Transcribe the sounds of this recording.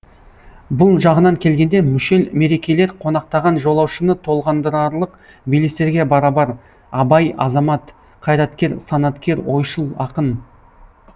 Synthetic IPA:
bʊlˠʒɑʁənɑŋkʲʰe̞lɡʲe̞nd̪e̞mʏʃe̞lme̞ɾe̞kʲe̞le̞ɾqʰo̞nɑq̚t̪ɑʁɑnʒo̞lˠɑwʃənət̪ʰo̞lˠʁɑnd̪əɾɑɾlˠəq | bilest̪e̞ɾɡʲe̞bɑɾɑbɑɾ | ɑbɑjɑ̰zɑmɑt̪ | qʰɑjɾɑt̪kʲe̞ɾsɑnɑt̪kʲe̞ɾwojʃəlˠɑqən

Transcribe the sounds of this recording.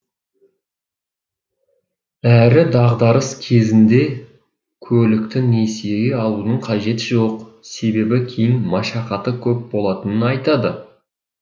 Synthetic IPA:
æɾɪd̪ɑʁd̪ɑɾəskʲʰe̞zɪnd̪e̞ | kʲʰɵlɪkt̪ɪne̞sijeɡʲeɑlˠunəɴqʰɑʒe̞t̪ɪʒo̞qse̞be̞bɪkʲʰe̞jɪŋmɑʃɑqɑt̪əkʲʰɵp̚bo̞lˠɑt̪ənənɑjt̪ɑd̪ə

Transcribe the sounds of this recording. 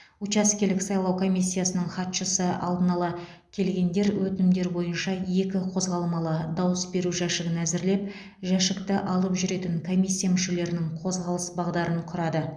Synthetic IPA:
ut͡ʃɑskʲelɪksɑjlˠɑwkʰo̞mʲijsʲːijasənəɴχɑt̪ʃəsəɑ̰lˠd̪ənɑlˠɑ | kʲʰe̞lɡʲe̞nd̪e̞ɾwɵt̪ɪnɪmd̪e̞ɾbo̞jənʃɑje̞kʲɪqʰo̞zʁɑlˠəmɑlˠəd̪ɑwəsbe̞ɾuʒæʃɪɡʲɪnæzɪɾle̞p̚ | ʒæʃɪkt̪ɪʔɑlˠəpʒʏɾe̞t̪ɪŋkʰo̞mʲijsʲːijamʏʃe̞le̞ɾɪnɪŋqʰo̞zʁɑlˠəsbɑʁd̪ɑɾəɴqʰʊɾɑd̪ə

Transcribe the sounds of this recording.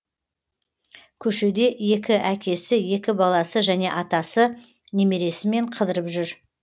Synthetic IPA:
kʲʰɵʃe̞d̪e̞ʔje̞kʲɪʔækʲe̞sɪje̞kʲɪbɑlˠɑsəʒæne̞̰ʔɑt̪ɑsə | ne̞me̞ɾe̞sɪme̞ɴqʰəd̪əɾəpʒʏɾ

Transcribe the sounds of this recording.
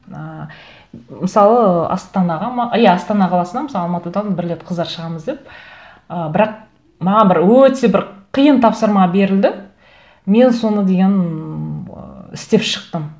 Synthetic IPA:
ə | mɪsɑlˠəɑ̰st̪ɑnɑʁɑmɑʔɪjaɑst̪ɑnɑqʰɑlˠɑsənd̪ɑmsˠɑlˠmɑt̪əd̪ɑnbɪɾɪlet̪qʰəzd̪ɑɾʃəʁɑməzd̪e̞p̚ | əbɪɾɑq̚ | mɑʁɑbɪɾwɵt̪e̞bɪɾqʰijənt̪ʰɑpsəɾmɑbe̞ɾɪld̪ɪ | me̞nso̞nəd̪e̞ɡʲe̞n̰ | ɪ̰st̪e̞pʃə̥qt̪əm

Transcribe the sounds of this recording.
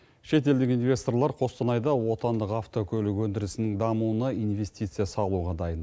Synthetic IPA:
ʃe̞t̪e̞ld̪ɪkinvʲe̞st̪o̞rlˠɑɾqʰo̞st̪ɑnɑjd̪ɑwo̞t̪ɑnd̪əqɑft̪o̞kʲʰɵlɪkwɵnd̪ɪɾɪsɪnɪŋd̪ɑmuənɑinve̞st̪ijt̪sɨjɑsɑlˠuʁɑd̪ɑjən

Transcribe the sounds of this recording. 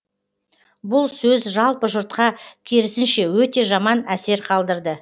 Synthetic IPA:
bʊlˠsɵzʒɑlˠpəʒʊɾt̪̚qɑkʲʰe̞ɾɪsɪnʃe̞wɵt̪e̞ʒɑmɑnæse̞ɾqʰɑlˠd̪əɾd̪ə

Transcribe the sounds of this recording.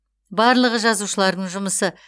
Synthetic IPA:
bɑɾlˠəʁəʒɑzuʃəlˠɑɾd̪əɴʒʊməsə

